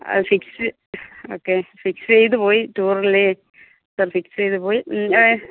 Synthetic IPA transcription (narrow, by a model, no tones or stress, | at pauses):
fiksɨ | oːkːefiksɨt͡ɕejt̪ɨpoːjituːrile | sɐrfiksejt̪ɨpoːji